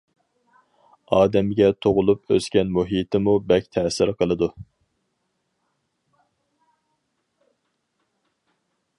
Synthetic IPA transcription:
ɑːd̪ɛmɡʲɛt̪ʰoʁʊlˠupøskʲɛnmuɦit̪ʰɪmubɛkʲt̪ʰɛsɪɾqʰəlˠɨd̪u

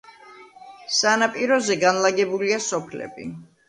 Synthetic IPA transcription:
sanapʼiɾɔzɛɡanlaɡɛbuliasɔpʰlɛ̰bḭ

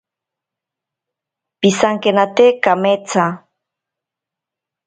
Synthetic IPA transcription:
pisaŋkenat̪ekamet͡sʰa

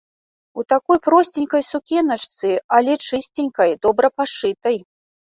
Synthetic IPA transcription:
ut̪akɔjpɾɔsʲt͡sʲinʲkɐjsukʲɛnɐt͡ʂt̪sɨalʲɛt͡ʂɨsʲt͡sʲinʲkɐjd̪ɔbɾɐpaʂɨt̪ɐj

